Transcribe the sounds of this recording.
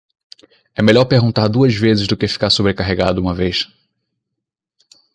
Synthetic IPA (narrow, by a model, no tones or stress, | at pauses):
ɛmeʎɔɾpeɾɡũnt̪aɾd̪uɐzvezɪzd̪ʊkɪfi̥kaɾsobɾekaɦeɡad̪ʊũmɐvejʃ